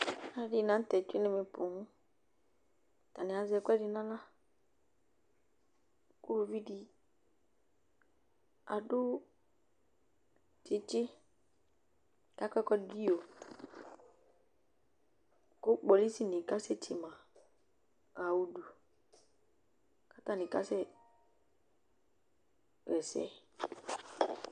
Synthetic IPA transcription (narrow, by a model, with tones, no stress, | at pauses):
a˦ɖi˨nã˦t̪ɛ˨t͡ʃu˦i˦ne˨me˨po˨ŋũ˦ | t̪a˨nɛ̃˨a˨zɛ˨kɛ˦ɖi˨nã˦lã˦ | ko˦o˨vi˦ɖi˦ | a̰˨ɖʊ˦ | ti˨t͡ʃi˦ | ka˦kɛ˦kɔ˦di˦o˨ | kʊ˦k͡pɔ˨li˦si˦nĩ˨ka˦sɛ˦tʰi˨mã˨ | a˨wu˦du˨ | ka˦ta˦nĩ˨ka˦sɛ˦ | ɣɛ˨sɛ̰˦